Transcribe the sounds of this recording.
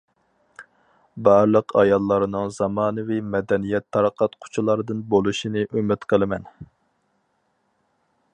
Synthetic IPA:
bɑɾlˠəqʰɑjɑlˠːɑɾnɨŋzɑmɑːnɨvimɛd̪ɛnijɛt̪ʰːɑɾəqʰɑt̪qʰʊ̥t͡ʃʰulˠɑɾɨd̪ɨnbolˠuʃinɨʔømɪt̪qʰəlˠɨmɛn

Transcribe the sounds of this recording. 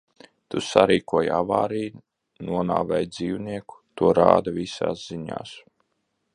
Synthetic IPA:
t̪usaɾiːkuɔjavaːɾiː | nuɔnaːvajd̪ziːwniɛku̥t̪uɔɾa̰ːd̪avisa̰ːsz̥iɲa̰ːs

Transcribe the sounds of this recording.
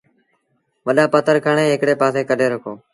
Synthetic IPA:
ʋəɗaːpət̪ʰəɾkʰəɳeːɦɪkɽeːpaːseːkəɗeːɾəkʰoː

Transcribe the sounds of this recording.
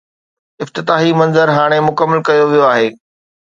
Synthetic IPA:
ɪft̪ɪt̪aːɦimɐ̃nzəɾɦaːɽ̃emʊkəmːəlkɐjoʋijoaːɦeː

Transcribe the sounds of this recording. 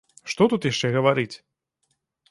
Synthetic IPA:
ʂt̪ɔt̪ut̪jaʂt͡ʂɛɣɐvaɾɨt͡sʲ

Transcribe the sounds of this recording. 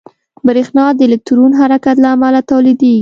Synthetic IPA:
bɾexnɑd̪əlɪk̚t̪uɾunɦaɾakat̪laːmalat̪awlid̪eɡi

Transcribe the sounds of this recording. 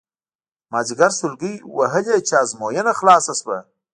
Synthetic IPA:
mad͡ʒɡaɾsʊlɡijwɐɦəlet͡ʃaːzmoːjenaxlɑːsasbɐ

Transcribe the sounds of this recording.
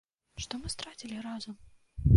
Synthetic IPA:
ʂt̪ɔmɨst̪ɾat͡sʲilʲiɾazɐm

